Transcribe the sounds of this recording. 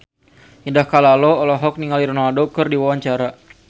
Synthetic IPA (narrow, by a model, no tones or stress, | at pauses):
indahkalalɔɔlɔɦɔk̚niŋaliɾɔnaldokɨrdiwawaɲt͡ʃaɾa